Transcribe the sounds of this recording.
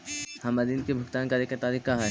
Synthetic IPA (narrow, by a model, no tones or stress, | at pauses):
hɐmɐd̪iːnkebʱʊkt̪aːnkaɾekat̪aːɾiːkkaɦɛː